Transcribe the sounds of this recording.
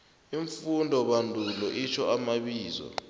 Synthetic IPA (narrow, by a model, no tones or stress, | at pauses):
iɱfundʱɔɓandʱulɔʔit͡ʃʰɔamaɓiːzɔ̰